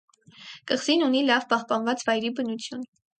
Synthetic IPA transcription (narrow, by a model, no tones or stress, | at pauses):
kəχz̥inunilɑvpɑhpɑnvɑt͡svɑjɾibənut͡sʰjun